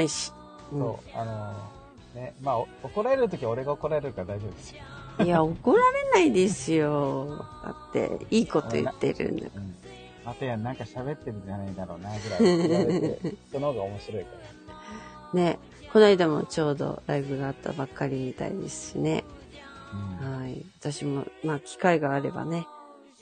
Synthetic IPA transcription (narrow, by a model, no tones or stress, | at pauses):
aiɕi̥ | ɯ̃sõɴ̰ːano | nemaːooko̞ɾaeɾɯ̟t̪o̞kʲio̞ɾe̞ɡaokoɾaeɾɯɯkad̪aiʑo̞bɯd̪esjoiaoko̞ɾaɾe̞naid̪e̞sɨjo̞a̰t̪ːe̞̰iːko̞t̪o̞̰jɯ̰t̪ːe̞̰ɾɯ̟̰̃nd̪a̰ɯ̃ | at̪ejanãŋkaɕaβe̞t̪ːeɾɯ̟d͡ʒanaid̪aɾo̞̰ːnaɡɯɾa | konohoːɡaomo̞ɕiɾo̞ikaɾa | ne̞ | ko̞naid̪amo̞̰t͡ɕo̞ːd̪o̞̰ɾaibɯ̟ɡaːt̪ːa̰bakːaɾʲimit̪a̰id̪e̞̰sɨ̥ɕine̞̰ | ɯ̃haiβat̪aɕimo̞̰maːkʲi̥kaiɡaːɾe̞ba̰ne̞